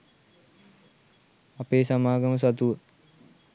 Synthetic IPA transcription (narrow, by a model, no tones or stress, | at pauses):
apeːsamaːɡɐməs̬at̪uʋə